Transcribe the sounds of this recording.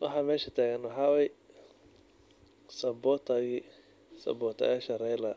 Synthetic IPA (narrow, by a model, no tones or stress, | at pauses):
wɑ̰ħɑːmɛːʃɐt̪ʰæːɣɐnwɑħɑːwɛj | sɐbɔːt̪ʰɐɣi | sɐ̰bɔːt̪ʰɐ̰ɐʃɐɾɛjlɐ